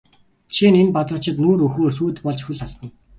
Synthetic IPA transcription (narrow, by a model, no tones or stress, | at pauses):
t͡ɕʰinempat̪rɞ̆t͡ɕɪ̆t̪nuːɾɵxoːrs̬uːt̪pɔɮt͡ɕxuɮaɮt̪ə̆n